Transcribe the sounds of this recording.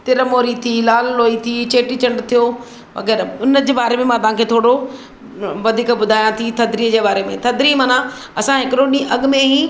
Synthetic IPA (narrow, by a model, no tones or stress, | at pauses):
t̪ɪɾəmoːɾit̪ʰilaːlloːit̪ʰit͡ɕeːʈit͡ɕə̃ɳɖt̪ʰijoː | ʋɐ̰ɡɛːɾʊnəd͡ʑeːbaːɾemẽmãt̪ɐɦãːkʰeːt̪ʰoːɽo | ʋɐd̪ʱiːkbʊd̪ʱaːjãt̪ʰit̪ʰɐd̪ʱɾiːəd͡ʑeːbaːɾemẽt̪ʰɐd̪ɾiːmãːnã | ɐsãɦɪkɾoːɗĩʔɐɠmẽɦĩː